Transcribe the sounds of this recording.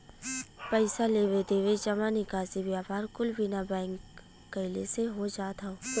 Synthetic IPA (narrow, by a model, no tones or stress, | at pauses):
pəɪsaleːwed̪eːʋed͡ʒɐmanɪkaːzibjaːpaːɾkʊlbɪnabɛ̃ːŋkː | əɪleseɦod͡ʒaːt̪aoː